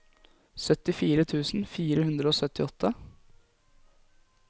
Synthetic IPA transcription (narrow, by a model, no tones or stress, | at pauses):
sœt̪ɪfiːɾət̪ʰʉːsn̩fiːɾəhʉnd̪ɾəoːsœt̪ɪɔt̪ʰːə